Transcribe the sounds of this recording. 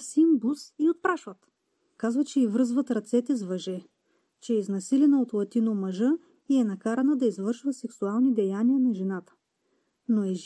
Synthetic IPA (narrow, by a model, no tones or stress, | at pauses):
simbusiot̪̚pɾaʃvɐt̪ | kazvɐt͡ʃɛivɾɤzvɐt̪ɾɐt̪sɛt̪ɛzvɐʒɛ | t͡ʃɛiznɐsilɛnɐot̪lˠɐt̪inomɐʒɤ | iɛnɐkaɾɐnəd̪ɐizvɤɾʃvəsɛksualˠnid̪ɛjaniənɐʒɛnat̪ə̥ | noɛʒ